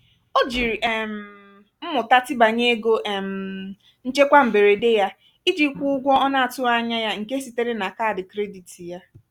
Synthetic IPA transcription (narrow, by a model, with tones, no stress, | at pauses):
o˦d͡ʒi˨ɾi˨ʔe˨m̩˨ | m̩˦mʊ˨ta˦tɪ˦ba˨ɲe˦ɡo˦ʔe˨m̩˨ | n̩˦t͡ʃe˦kʷa˦m̩˨be˨ɾe˨de˦ja˦ | i˦d͡ʒi˨˦kʷu˦ʊ˦ɡʷɔ˦ɔ˦na˦a˨tʊ˦a˦ɲa˦ja˦ŋ̩˨ke˦si˨te˦ɾe˦na˨ka˦a˨dɪ˨kɾe˦di˨ti˨ja˦